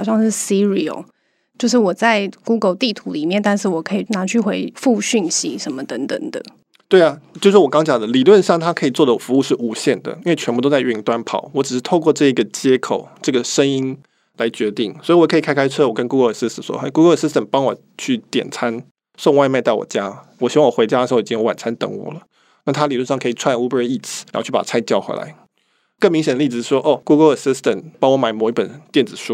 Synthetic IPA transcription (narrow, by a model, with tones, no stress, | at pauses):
ɑ˨˩ʊɕjɑ˥˧ŋʂɻ̩˥˩si˦˥ɹḭ˨˩˨ | t͡ɕjo˥˧ʊʂ̬ɻ̩˥˩wɔ˨˩t͡sa˥˧ɪku˥ɡə˨˧lt̪i˥˩t̪ʰu˧˥li˨˩mjɛ˥˩nt̪a˥˧nʂɻ̩˥˩wɔ˨˩kʰə˧˥i˨˩na˧˥t͡ɕʰy˥˩xwe˧˥ɪfu˥˧ɕy˥˩nɕi˧˦ʂə˧˦nmə˧t̪ə˧˥ŋt̪ə̰˨˩ŋd̪ə̰˩ | t̪we˥˩ɪa˩t͡ɕjo˥˧ʊʂwɔ˥wɔ˨˩kɑ˥ŋɑ˥ŋt͡ɕjɑ˨˩ŋd̪ə˦li˨˩lwə˥˧nɕɑ˥˩ŋt̪ʰa˦˥kʰɤ˧˥i˨˩t͡swɔ˥˩d̪ə˨˩fu˧˦u˥˧ʂɻ̩˥˩ʔu˧˥ɕjɛ˥˩nd̪ə̰˩i˥nwe˥˩ɪɛ˧npu˧˩t̪o˥ʊt͡sa˥˧ɪy˧˩ŋt̪wa˥npʰɑ̰˨˩˦ʊwɔ˧˥ʈ͡ʂɻ̩˨˩ʂɻ̩˥˧t̪ʰo˥˧ʊkwɔ˥˧ʈ͡ʂɤ˥˩i˧˥ɡə˨t͡ɕjɛ˦˥kʰo˨˩ʊʈ͡ʂɤ˥˩ɡə˩ʂə˦ŋi˦˥n | la˧˥ɪt͡ɕɥɛ˧˥t̪i˥˩ŋswɔ˧˥i˨wɔ˨˩kʰɤ˧˥i˨˩kʰa˥kʰa˥ɪt͡sʰɤ˥˩wɔ˨˩kə˦nku˧˥ɡə˧˥ə˨˩si˥st̪ə˨˩ʂwɔ̰˥ʔe˥ɪku˥ɡə˧˥ə˨˩si˥st̪ə˨˩npɑ˥ŋwɔ˨˩ | t͡ɕʰy˥˩t̪jɛ̰˨˩nt͡sʰa˥n | ʂo˥˧ŋwa˥˧ɪma˥˧ɪt̪a˥˩ɪwɔ̰˨˩t͡ɕja˦˥wɔ˨˩ɕi˧˥wɑ˥˩wɔ˨˩xwe˧ɪt͡ɕja˥d̪ə˨˩ʂ̩˧xo˥˩i˨˩t͡ɕi˥ŋwwa̰˨˩nt͡sʰa˥nt̪ə̰˨˥ŋwɔ̰˨˩lə˦ | na˥˩t̪ʰa˥li˨˩lu˥˧ʂ̬ɑ˥˨ŋkʰɤ˧˥i˨˩t͡sʰwa˥˨nu˥bə˧˥i˥˩t͡s̩ʰ˨˩˧t͡ɕʰy˥˩pa̰˨˩t͡sʰa˥ɪt͡ɕjɑ˥˩ʊxwḛ˧˥ɪla̰˧˦ɪ | kə˥˩ŋmi˧ŋɕ̬ɛ˨nd̪ə˧li˥˧˩ʂwɔ˥ʔo˥˩ku˧˥ɡə˧lə˨˩si˥st̪ə˨npɑ˥ŋwɔ˧˥˦ma˨˧˦ɪmɔo˨˩ʊi˧˥pə˨˩nt̪jɛ˥˩nd͡zɹ̩˨˩ʂu˥